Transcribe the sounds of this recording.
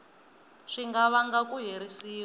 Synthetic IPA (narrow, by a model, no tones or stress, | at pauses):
ʂiŋɡaβaŋɡakuɦeɾisiː